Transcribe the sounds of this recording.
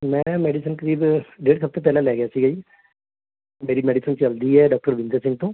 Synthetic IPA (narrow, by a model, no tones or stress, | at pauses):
mɛ̃ːmɛːɖisənkəɾiːbɖeːɽsəp̚t̪eːpɛːlãːlɛːɡɪjaːsiːɡəiː | meːɾiːmɛːɖiːsənt͡ʃəld̪iːɦɛːɖaːk̚ʈəɾʋɪ̃nd̪əsɪ̃ŋɡt̪õː